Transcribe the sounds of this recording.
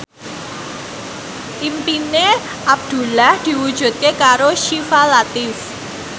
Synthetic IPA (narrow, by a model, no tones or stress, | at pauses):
ʔimpine | ʔab̚d̪̥ṳlahd̪̥i̤wud̥ʒ̥ṳt̪̚kekaɾoʃifalat̪ɪf